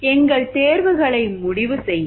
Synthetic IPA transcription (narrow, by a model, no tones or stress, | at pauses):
ɛŋɡɐɭt̪eːɾʋɯɣɐɭɐɪmʊɽɪʋɯsɛjː